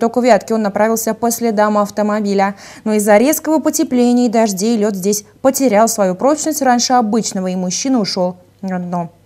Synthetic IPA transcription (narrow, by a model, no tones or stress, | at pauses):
t̪o̞kʊvʲat̪kʲɪo̞nːɐpɾavʲɪlˠsʲəpəsʲlʲɪd̪aməɐft̪əmɐbʲilʲə | no̞ɪzːɐɾʲe̞skəvəpətʲɪplʲenʲɪjəd̪ɐʐdʲejlʲo̞t̪zʲdʲesʲ | pətʲɪɾʲalˠsvɐjupɾo̞t͡ɕnəsʲtʲranʲʂɨɐbɨt͡ɕnəvəimʊɕːinəʊʂo̞lˠ | ad̪no̞